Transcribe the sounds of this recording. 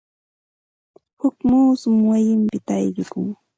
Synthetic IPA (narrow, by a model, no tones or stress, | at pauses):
hʊkmuːsʊmwajɪmpɪt̪a̰jɢɪkʊŋ